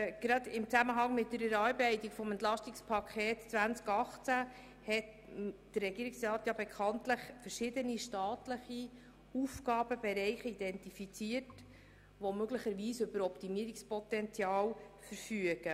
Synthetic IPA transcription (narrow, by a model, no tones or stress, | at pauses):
ɡ̥ɾɑd̪ɪmt͡sæməɦɑŋmɪt̚dəɾɛɾɑːɾbɛɪtikfɔmɛntlɑʃtikspʰɑkʰχeːtt͡sʋænt͡skɑχt͡sæ | hɛt | d̥ərːɛɡiːɾiksɾɑːt̪jɑbekʰχɑntləχfəɾʃɪdəniʃtɑːtləχi | ufɡɑːb̥əbɛɾɛɪχid̥ɛntifit͡siərt | ʋɔmøɡləχəɾʋiːsɵbəɾɔpt̪imiəɾikspɔt̪ɛnt͡sjɑːlfəɾfyəɡ̥ə